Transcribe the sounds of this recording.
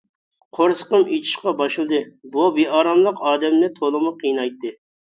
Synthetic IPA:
qʰoɾsə̥qəmit͡ʃ̪ʰi̥ʃqɑbɑʃɨlˠd̪ɨbubeɑːɾɑmlˠəqɑːd̪ɛmnɪt̪ʰolˠɨmʊqʰijnɑjt̪ːɨ

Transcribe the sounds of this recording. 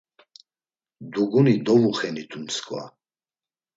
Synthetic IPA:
d̪uɡunid̪ɔvuχɛnit̪ʰʼunskʼwa̰

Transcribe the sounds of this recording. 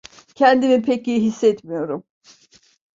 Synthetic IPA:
cʰɛnd̪imipʰeciɦisːɛt̪mijo̞ɾum

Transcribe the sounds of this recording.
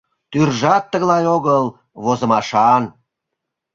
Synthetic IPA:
t̪yrʒɑt̪ːəɣlɑjoɣəl | βozə̆mɑʃɑn

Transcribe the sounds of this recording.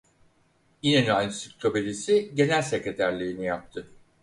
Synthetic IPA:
inenanʲsict̪ɾobelʲisiɟe̞nælʲsecɾet̪ʰæɾlʲeɾinijap̚t̪ʰɯ

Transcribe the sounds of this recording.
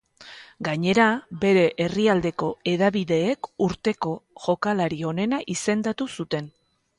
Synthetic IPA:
ɡaɲe̞ɾabe̞ɾe̞ʔeriald̪e̞ko̞e̞ðaβiðe̞ːkuɾt̪e̞ko̞ʝo̞kalaɾio̞ne̞naʔise̞nd̪at̪usut̪e̞n

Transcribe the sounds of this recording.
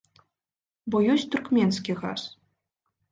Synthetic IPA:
bɔjɔsʲt̪urkmʲɛnskʲiɣa̰s

